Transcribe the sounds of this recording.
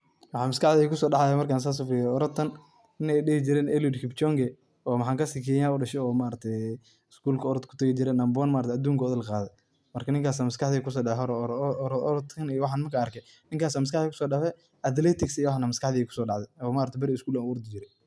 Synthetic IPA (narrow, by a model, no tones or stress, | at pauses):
wɑħɑːnmɐskɑħðiːɛkʰʊsɔːɖɑħaðɛmɐrkaːns̬aːs̬ʊfɪjɛɔɾɔt̪ʰːɐn | ɪnɛjɗɪhɪt͡ʃɪɾɛːnʔɛljud̪kʰɪbt͡ʃɔŋɡɛ | ɔːmħɑːŋkʰɐsiːkʰɛːjaːʊɖɐʃɛjɔːmaːɾɐt̪ʰɛ | ɪskuːlkʰɐɔɾɔt̪kʰʊ̥t̪ʰɐɣɪt͡ʃɪɾɛnɐmbɔnmaːɾɐt̪ɛɐd̪uːŋkʰɐɔðɪlqaːðɛ | mɐrkʰɐnɪŋkaːs̬aːmɐskɑħðikʰʊs̬ɔːɖɑħɦɔɾ | ɾɔt̪ʰɐnijɔwɑħaːnmɐkʰaɐrkʰɛ | nɪŋkaːsaːmɐs̬kɑħðiːkʰʊ̥sɔːɖɑħɛ | ɐd̪lɛːt̪ʰɪksijwɑħnɐmɐskɑħðiːkʰʊ̥sɔːɖɑʕðɛɔːmaːɾɐt̪ɛbɐɾɪɪskuːlanʊʊɾd̪ɪt͡ʃɪɾɛ